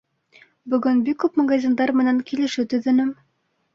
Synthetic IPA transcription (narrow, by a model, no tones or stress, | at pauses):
bɵ̆ɡɵnbikːʉpmɐɡazʲind̪ɑɾmɘ̆næŋkilɘ̆ʃɘt̪ɵ̆ðɘ̆nɘm